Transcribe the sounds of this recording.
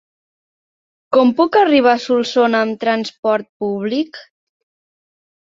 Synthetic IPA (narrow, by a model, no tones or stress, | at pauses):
kɔmpukəriβ̞asulˠsonəmt̪ɾənspɔɾt̪̚puβlik